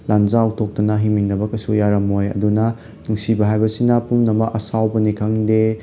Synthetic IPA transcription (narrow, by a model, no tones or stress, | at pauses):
lanzawtʰok̚tɐnɐɦimiŋdɐbɐkɐsujaɾɐmojɐ̰dunɐ | nuksibɐɦajbɐsinɐpumnɐmɐʔɐsawbɐnikʰaŋde